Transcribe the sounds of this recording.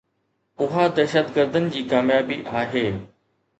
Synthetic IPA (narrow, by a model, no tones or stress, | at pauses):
ʊɦad̪ɛːʃət̪ɡəɾd̪ənɪ̆d͡ʑiːkaːmjaːbiʔaːɦeː